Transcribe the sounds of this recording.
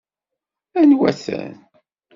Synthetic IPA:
ænwæθæ̰n

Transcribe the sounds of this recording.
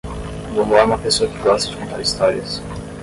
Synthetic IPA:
võmʊaɾũmɐpesoɐkɪɡɔst̪ɐd͡ʒɪ̥kõnt̪a̰ɾist̪ɔɾiɐs

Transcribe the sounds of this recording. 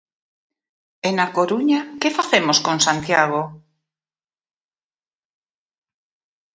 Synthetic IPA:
enakoɾuɲakefaθemoskoŋsant̪jaɣ̞o

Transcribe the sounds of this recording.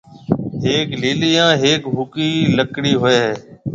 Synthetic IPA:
ɦeːkliːlijãːɦeːkbʱʊkiːləkɽiːɦʊeːɦː

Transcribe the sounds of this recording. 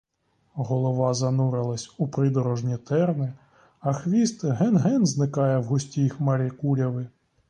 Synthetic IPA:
ɦɔlˠɔʋɑzɐnuɾɪlˠɐsʲupɾɪd̪ɔɾɔʒnʲit̪ɛrnɪ | ɐxʋʲist̪ɦɛnɦɛnznɪkɑjɛwɦʊsʲtʲixmɐɾʲikuɾʲɐʋɪ

